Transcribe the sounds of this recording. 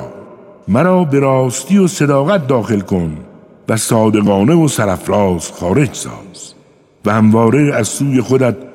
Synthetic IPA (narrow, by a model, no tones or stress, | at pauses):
mæɾɒːbe̞ɾɒːst̪ijose̞d̪ɒːɣæt̪̚d̪ɒːxe̞lko̞n | væsɒːd̪e̞ɣɒːne̞vosæɾæfɾɒːsxɒːɾe̞d͡ʒsɒ̰ːz̥ | væhæmvɒːɾeæzsuːje̞xo̞d̪æt̪̚